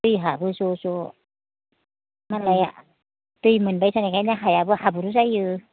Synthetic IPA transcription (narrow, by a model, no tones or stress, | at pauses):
tɯjɦabɯsɔsɔ | malaja̰ | tɯjmɯnbajsanakʰajnaɦajabɯhabuɾuzajɯ